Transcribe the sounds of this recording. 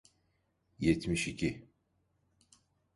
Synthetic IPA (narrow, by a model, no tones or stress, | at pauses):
jɛt̪miʃicʰi